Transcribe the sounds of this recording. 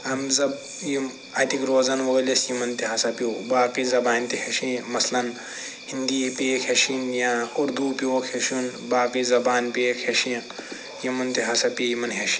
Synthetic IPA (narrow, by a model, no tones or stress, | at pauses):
ɐmzɐb | jim | ɐt̪ikɾoːzɐnʋɐɡɐlisjimɐnt̪iɦɐsɐpioːbaːkizɐbaːnt̪iɦeʃĩmɐslɐn | hind̪iːpeːkʰeʃinjãːuɾd̪uːpioːkʰeʃunbaːkiːzɐbaːnpeːkʰeʃĩ | jimɐnt̪iɦɐsɐpijimɐnɦeʃi̥